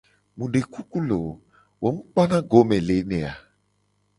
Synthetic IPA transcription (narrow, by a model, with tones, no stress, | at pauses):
mũ˨ɖe˨ku˦ku˦lo˨ | wo˨˦m̩̃˦k͡pɔ˦nã˦ɡo˨˦mẽ˨le˨˦nɛ̃˨a˨